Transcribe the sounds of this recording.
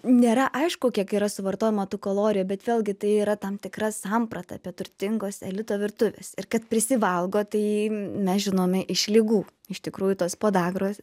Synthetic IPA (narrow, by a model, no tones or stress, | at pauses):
nʲeːɾɐʔɐɪʃkʊkʲiɛkiːɾɐsʊʋɐrt̪oːjɛmɐt̪uːkoːlˠoːɾʲɪjuːbʲɛt̪ʋʲeːlˠʲɡʲɪt̪ɐɪiːɾɐt̪ɐmt̪ʲɪkrɐsɑmpɾɐt̪ɐːpʲiɛt̪ʊɾʲt̪ʲɪŋɡoːsɛlʲɪt̪oːʋʲɪɾt̪ʊʋʲeːsɪrkɐt̪̚pʲɾʲɪsʲɪʋɐlˠɡoːt̪ɐɪmʲɛsʒʲɪnoːmʲɛʔɪʃlʲɪɡuː | ɪʃt̪ʲɪkɾuːjʊt̪oːspoːd̪ɑːɡroːs